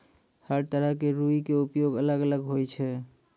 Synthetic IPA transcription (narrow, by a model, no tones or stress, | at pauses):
haɽt̪əɾakeɾuikeupjoɡələɡələɡɦojt͡ʃʰɛ